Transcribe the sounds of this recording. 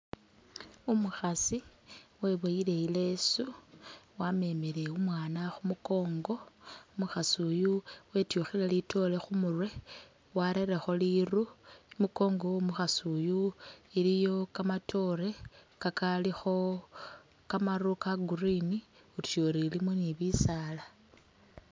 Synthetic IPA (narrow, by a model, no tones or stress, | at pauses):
umuxasiwe̞βoile̞ile̞suwame̞mele̞umwaːnaxumuko̞ːŋɡo̞muxasujuwe̞tjuxilalito̞le̞xumurwe̞ | waɾeɾexo̞liruimiko̞ːŋɡo̞muxasujuilijo̞kamatʰo̞ɾe̞kakalixo̞ | kamarukaɡurini | utu̥joɾilimoniβisala